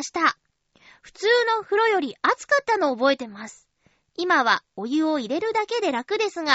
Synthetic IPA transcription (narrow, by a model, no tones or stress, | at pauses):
ɕi̥t̪a | ɸɯ̟̥t͡sɨːno̞hɯ̟ɾo̞jo̞ɾʲiat͡sɨ̥kat̪ːano̞ːbo̞e̞t̪e̞masɨ̥ | imaβ̞ao̞jɯ̟o̞iɾe̞ɾɯ̟d̪ake̞d̪e̞ɾakɯ̟d̪e̞sɨŋa